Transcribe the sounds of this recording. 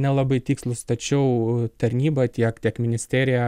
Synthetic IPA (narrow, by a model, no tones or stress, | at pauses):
nʲɛlˠɐbɐɪt̪ʲiːkslˠʊst̪ɐt͡ʃʲɛʊt̪ɐɾʲnʲiːbɐt̪ʲiɛkt̪ʲiɛkmʲɪnʲɪsʲt̪ʲæːɾʲɪjɛ